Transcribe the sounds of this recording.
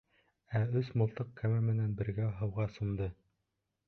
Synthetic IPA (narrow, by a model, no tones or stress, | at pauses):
æɵsmŏlˠt̪ɤqkæmæmɘ̆nænbɘ̆ɾɡæɦɤ̆wʁɑsumd̪ɤ